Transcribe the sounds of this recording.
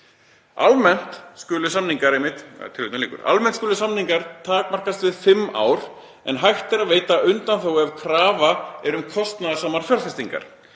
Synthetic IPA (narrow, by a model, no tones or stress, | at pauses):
almɛn̥t̪skʏːlʏsamniŋkaɾejmɪht̪t̪ʰɪɾvit̪naliːkʏ̰ɾa̰lmɛnt̪skʏlʏsamniŋkaɾt̪ʰaːkmar̥kast̪vɪðfɪmːa̰ːwɾ | ɛ̰nɦajht̪ɛɾaðveːjt̪aʔʏnt̪anθowɛvkʰɾaːvaɛɾʏmkʰɔst̪naðsaːmaɾ̥fjœɾ̥θfɛst̪iŋka̰ɾ̥